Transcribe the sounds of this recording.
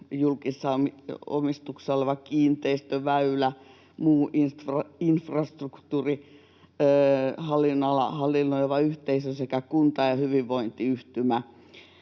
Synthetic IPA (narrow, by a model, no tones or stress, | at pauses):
julkisːɑomio̰mist̪uksɑoleʋɑkiːnt̪eist̪øʋæylæ | muːʔinst̪rɑinfrɑst̪rukt̪uːriː | hɑlːˑinːɑlɑ̰hɑlːˑinːoiʋɑyht̪eisøsekækunt̪ɑjɑhyʋiʋʋoint̪iyht̪ymæ